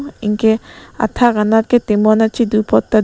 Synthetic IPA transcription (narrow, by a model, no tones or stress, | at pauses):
ḭŋkea̰t̪ʰːaɡanaɾket̪emɔnat͡ʃʰid̪upɔt̪ːa